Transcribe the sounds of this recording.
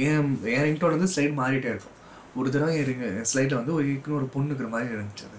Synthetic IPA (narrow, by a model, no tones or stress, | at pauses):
ẽːɛ̃ːɾɪŋʈːoːɾɐnd̪ɯslɐɪʈmaːɾɪʈːeːɪɾɯkːʊ̃ | ɔɾɯðɪɾãɛɾɪŋɡslɐɪʈlɐʋɐnd̪ɯɔɾkːɪnʊ̃ɔɾɯpʊɳːɯk̬ːɪɾɐmaːd̪ɾiɪɾɐnd̪ɪt͡ʃːɐðɯ